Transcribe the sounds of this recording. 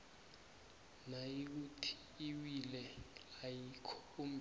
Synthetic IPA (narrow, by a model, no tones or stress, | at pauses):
najik̬utʰi̥ | iwilɛajikʰɔum̩b